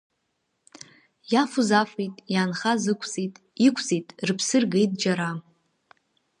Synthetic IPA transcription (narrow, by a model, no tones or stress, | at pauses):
jafuzafejtʼjaːnχazɨkʷʰt͡sʼitʼ | ikʷʰt͡sʼijtʼrɨpʰsɨrɡe̞jtʼd͡ʒaɾa